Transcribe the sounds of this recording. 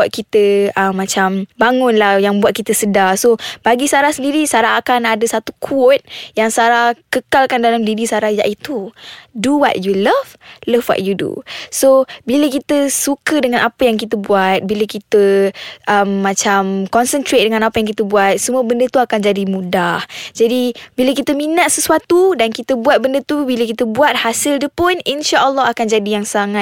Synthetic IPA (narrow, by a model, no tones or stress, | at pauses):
at̪̚kit̪əəmːat͡ʃambaŋʊ̃nlahjaŋbuat̪̚kit̪əsədasobaɡisaɾahsəndiɾisaɾaɦakanadəsat̪u̥kʰɔt̪̚jaŋsaɾahkəkalkandalamdiɾisaɾahja̰ʔit̪uduwɔ̰t̚juləvləfwɔ̰ʔ̚judṵsobiləkit̪əsukədəŋãnʔapəjaŋk̬it̪əbuat̪̚biləkit̪əʔəmːãt͡ʃamkɔnsənt̪ɾet̪̚dəŋanapajaŋkit̪əbuat̪̚səmuəbəndət̪uakand͡ʒadimũdahd͡ʒadibiləkit̪əminaʔsəsuat̪udankit̪əbuat̪̚bəndət̪ubiləkit̪əbuat̪̚hasild͡ʒəpʊninʃaʔəlːɔɦakand͡ʒadijaŋsaŋa